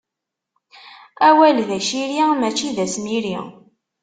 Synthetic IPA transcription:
æwælðæʃiɾimæt͡ʃːiðæsniɾḭ

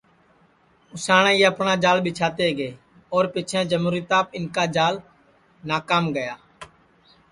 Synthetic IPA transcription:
ʊsaːɳãːjeːəpɳaːd͡ʒaːlɓɪt͡ʃʰaːt̪eːɡəeː | oːɾpɪt͡ʃʰẽːd͡ʒəmuːɾiːt̪aːpɪnkaːd͡ʒaːl | naːkaːmɡəjaː

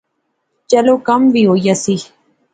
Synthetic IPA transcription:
t͡ʃalokambiojasi

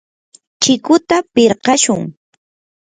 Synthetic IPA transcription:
t͡ʃɪkʊt̪apɪɾɢɑʃʊŋ

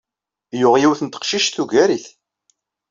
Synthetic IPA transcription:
jʊʁjiwθənt̪ə̥qʃiʃθuʝæɾiθ

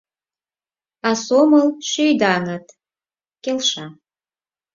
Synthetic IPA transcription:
asoməlʃøjd̪anət̪ | kʲelʃa

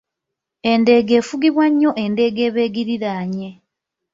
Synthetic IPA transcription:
e̞nde̞ːɡe̞ːfuɡiβwaɲːo̞ʔe̞nde̞ːɡe̞ːβe̞ːɡiɾiɾaːɲe̞

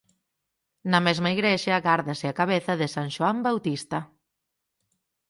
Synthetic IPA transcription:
nɐmɛzmɐiɣɾɛʃɐɣaɾðɐsɪakaβeθɐðɪsanʃoambawt̪ist̪ɐ

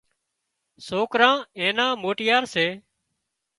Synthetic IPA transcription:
soːkɾãːẽːnãːmoːʈɪjaːɾseː

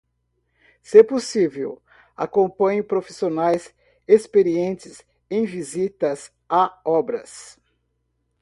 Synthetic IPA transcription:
seposivḛw | a̰kõmpɐ̃ɲʊpɾofi̥sionajz | espeɾiẽnt͡ʃɪz | ẽj̃vizit̪ɐz | aɔbɾɐ̰s

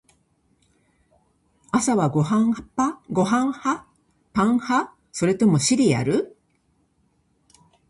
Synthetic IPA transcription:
asaβaɡohãpaɡo̞ɦãɰ̃ha | pãɰ̃ha | so̞ɾet̪o̞mo̞ɕiɾʲia̰ɾɯ̟

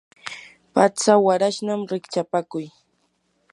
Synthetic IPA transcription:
pat͡sawaɾaʃnamɾɪkt͡ʃapakʊj

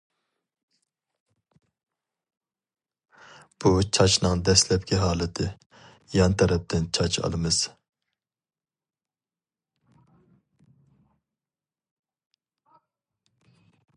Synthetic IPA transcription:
b̥ut͡ʃʰɑt͡ʃnɨŋd̪ɛslɛp̚kʲɛɦɑːlˠɨt̪ʰɨ | jɑnt̪ʰɑɾɛp̚t̪ʰɪnt͡ʃʰɑt͡ʃʰɑ̰lˠɨmɨz̥

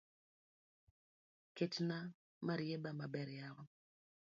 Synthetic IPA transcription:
ketna | maɾjebamabɛɾjaɾɔ

